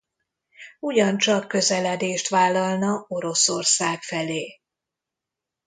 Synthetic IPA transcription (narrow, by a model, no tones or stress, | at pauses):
uɟɒnt͡ʃɒkːø̞zɛlɛd̪eːʃt̪ʋaːlːɒlnɒo̞ɾo̞sorsaːkfɛleː